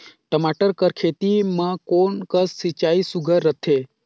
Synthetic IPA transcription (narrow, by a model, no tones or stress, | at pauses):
ʈəmaːʈəɾkəɾkʰeːt̪imãkoːnkəsːit͡ʃaːisuɡʱəɾːət̪ʰeː